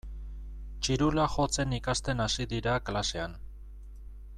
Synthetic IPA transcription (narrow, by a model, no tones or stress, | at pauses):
t͡ʃiɾulaxo̞t͡se̞nikast̪e̞nasiðiɾaklase̞an